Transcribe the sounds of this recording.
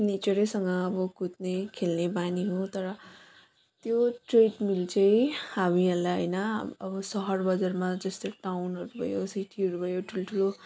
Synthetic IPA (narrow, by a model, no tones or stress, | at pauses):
net͡sʌɾesʌŋɡʌːbʌkut̪̚nekʰelnebaniɦot̪ʌɾʌ | t̪joʈreʈmilt͡sʌjhamiʌlaɦʌjnʌʌbʌsʌɦʌrbʌd͡zarmad͡zʌst̪oʈawnɦʌɾubʱʌ̰josiʈʰiɦʌɾubʱʌjoʈʰuloʈʰulo